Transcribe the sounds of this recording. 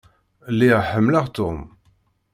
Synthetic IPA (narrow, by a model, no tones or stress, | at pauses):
lːiʁħəmːləʁt̪ʊm